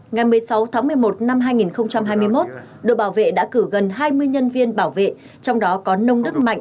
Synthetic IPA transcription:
ŋa˨˩jmɨ˨˩əjsa˨˦wt̪ʰaː˨˦ŋmɨ˨˩əjmo˨˩t̚na˧mɦaː˧jŋi˨˩nxə˧wŋ͡mt͡ɕa˧mɦaː˧jm˧əjmo˦˥t̚ | ɗo̰˨˧˨ɓaː˧˩wvḛ˧˨ɗa̰ː˧˥kɨ˧˩ɣə˨˩nɦaː˧jmɨ˧əjɲə˧nvi˧ənɓaː˧˩wvḛ˧˨ | t͡ɕɔ˧wŋ͡mɗɔ˨˦kɔ˨˦nə˧wŋ͡mɗɨ˦˥k̚ma̰˧˨jŋʔ̟

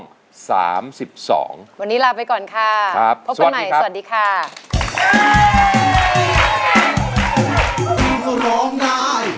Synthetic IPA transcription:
ŋ | sa̰ː˩˦msi˨˩p̚sɔ̰ː˩˦ŋwa˧nːiː˦˥laː˧pa˧jkɔː˨˩nkʰa˧˩ɾa˦˥p̚pʰo˦˥pwa˨˩ma˨˧˦ja˦a˩˨˩t̚diː˧kʰa˥˩ | i˧sa˧ɾɔː˦˥ŋnaː˥˩j

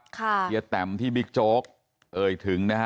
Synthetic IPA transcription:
kʰa˥˩i˧ə˧t̪ɛ˨˩˦mt̪ʰiː˥˩bi˦˥k̚t͡ɕoː˦˥k̚ | ʔɤː˧˩jt̪ʰɯ˩˦ŋna˦˥kʰa˦

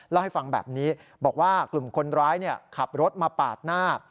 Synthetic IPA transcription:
lɛ˦˥˩wha˥˩jfa˧ŋbɛ̰ː˨˩p̚niː˦˥ | bɔː˨˩k̚waː˥˩klu˨˩mkʰo˧nɾaː˦˥jni˥˩ɐkʰa˨˩p̚ɾo˦˥t̪̚maː˧paː˨˩t̪̚naː˥˩

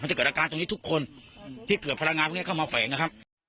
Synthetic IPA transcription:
ma˧t͡ɕa˨˩ɤː˨˩ʔaː˧kaː˧nt̪o˧ŋniː˦˥t̪ʰu˦˥kʰːo˧nt̪ʰiː˥˩kɯ˨˩t̪̚pʰa˧ɾa˧ŋːaː˧pːkʰa˥˩maː˧fɛː˩˦ŋna˧kʰp̚

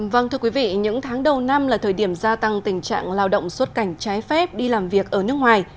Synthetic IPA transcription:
və˧˩nt̪ʰɨ˧əkwi˨˦vḭ˧˨ɲɨ̰˧˥ŋt̪ʰaː˨˦ŋɗə˨˩wna˧mlaː˨˩t̪ʰəː˨˩jɗi˧˩əmzaː˧t̪a˧ŋt̪ï˨˩ŋ̟t͡ɕa̰ː˧˨ŋlaː˧wɗə̰˧˨wŋ͡mswə˦˥t̚ka˧˩jŋ̟t͡ɕaː˨˦jfɛ˦˥p̚ɗi˧laː˨˩mvi˨˩ək̚ʔəː˧˩nɨ˦˥ək̚ŋwaː˨˩j

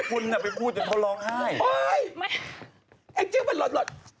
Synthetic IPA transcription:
kʰu˧nːa˧˩pa˨jpʰuː˥˩t͡ɕa˨˩t̪ʰo˧˥˩lɔː˧ŋhaː˥˩jo˧j | ʔa˧˩t͡ɕi˧˥˦ma˧˩lɔ˨˩t̪̚lɔ˨˩t̪̚

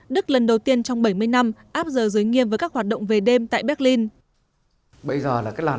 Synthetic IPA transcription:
ɗɨ˦˥k̚lə˨˩nɗə˨˩wt̪i˧ənt͡ɕɔ˧wŋ͡mɓə˧˩jmɨ˧əjna˧mʔaː˦˥p̚zəː˨˩zɨː˨˦jŋi˧əmvəː˨˦kaː˦˥k̚haː˨˩t̚ɗə̰˧˨ŋ͡mve˨˩ɗe˧mt̪a̰ː˧˨jɓɛː˦˥t̚li˧n | ɓə˧jzəː˨˩laː˨˩kaː˦˥j̚lwaː˨˩

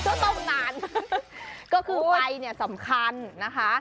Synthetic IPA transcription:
tʰɯ˧˩t̪o˥˩ŋlaː˨˩n | kɔː˥˩kʰɯː˧a˧jni˥˩ɐsa˩˦mkʰa˧nːa˦˥kʰa˦˥ʔ

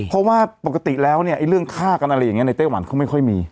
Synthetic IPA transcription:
pʰɔ˦˥waː˥˩pa˨˩ka˧t̪i˨˩lɛː˦˥wni˥˩ɐʔa˥˩jɾɯ˥˩əŋkʰaː˥˩ka˧nʔa˧ɾa˧ja˨˩ŋi˦˥na˧jt̪aː˥˩wa˩˦nkʰa˥˩wma˥˩kʰɔ˥˩jmiː˧

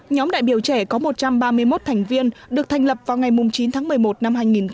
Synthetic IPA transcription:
ɲɔ˨˦mɗa̰ː˧˨jɓi˧˩əwt͡ɕɛ˧˩kɔ˨˦mo˨˩t̚t͡ɕa˧mɓaː˧mɨ˧əjmo˦˥t̚t̪ʰa˨˩jŋ̟vi˧ənɗɨ˨˩ək̚t̪ʰa˨˩jŋ̟lə˨˩p̚vaː˨˩wŋa˨˩jmʊ˨˩ŋ͡mt͡ɕi˨˦nt̪ʰaː˨˦ŋmɨ˨˩əjmo˨˩t̚na˧mɦaː˧jŋi˨˩n

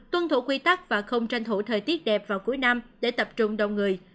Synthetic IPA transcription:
t̪wə˧nt̪ʰu˧˩˦kwi˧t̪a˦˥k̚vaː˨˩xə˧wŋ͡mt͡ɕa˧jŋ̟t̪ʰu˧˩t̪ʰəː˨˩jt̪i˦˥ət̚ɗɛ˨˩p̚vaː˨˩wku˨˦jna˧mɗe˧˩t̪ə˨˩p̚t͡ɕʊ˧ŋ͡mɗə˨˩wŋ͡mŋɨ˨˩əj

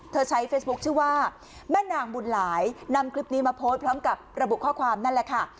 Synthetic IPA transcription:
t̪ʰɤː˧t͡ɕʰa˦˥jfeː˦˥sbu˦˥k̚t͡ɕʰɯː˥˩waː˥˩ | mɛː˥˩naː˨˩ŋbu˨˩n̚laː˩˦jna˧mkʰli˦˥p̚niː˦˥maː˧pʰoː˦˥t̪̚pʰɾɔː˦˥mka˨˩p̚ɾa˧bu˨˩ʔkʰɔː˥˩kʰwaː˧mna˥˩nlɛ˨˩kʰa˥˩

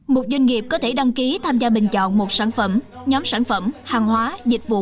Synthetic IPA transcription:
mo˨˩t̚zwa˧jŋ̟ŋi˨˩əp̚kɔ˨˦t̪ʰe˧˩ɗa˧ŋki˨˦t̪ʰaː˧mzaː˧ɓï˨˩ŋ̟t͡ɕɔ̰˧˨nmo˨˩t̚saː˧˩nfə˧˩m | ɲɔ˨˦msaː˧˩nfə˧˩mhaː˨˩ŋɦwaː˨˦zï˨˩k̚vṵ˧˨

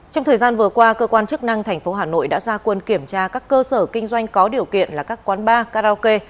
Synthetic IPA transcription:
t͡ɕɔ˧wŋ͡mt̪ʰəː˨˩jzaː˧nvɨ˨˩əkwaː˧kəː˧kwaː˧nt͡ɕɨ˦˥k̚na˧ŋt̪ʰɛ˨˩jŋ̟fo˨˦ɦaː˨˩no̰˧˨jɗa̰ː˧˥zaː˧kwə˧nki˧˩əmt͡ɕaː˧kaː˦˥kːəː˧səː˧˩kï˧ŋ̟zwa˧jŋ̟kɔ˨˦ɗi˨˩əwkḭ˧˨ənlaː˨˩kaː˦˥kːwaː˨˦nɓaː˧kaː˧zaː˧ke˧

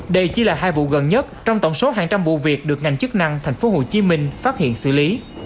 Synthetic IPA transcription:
ɗə˧jt͡ɕi˧˦laː˨˩ɦaː˧jvṵ˧˨ɣə˨˩nɲə˦˥t̚t͡ɕɔ˧wŋ͡mt̪ə˧˩wŋ͡mso˨˦ɦaː˨˩ŋt͡ɕa˧mvṵ˧˨vi˨˩ək̚ɗɨ˨˩ək̚ŋa˨˩jŋ̟t͡ɕɨ˦˥k̚na˧ŋt̪ʰɛ˨˩jŋ̟fo˨˦ɦo˨˩t͡ɕi˨˦mï˧ŋ̟faː˦˥t̚hḭ˧˨ənsɨ̰˧˨li˨˦

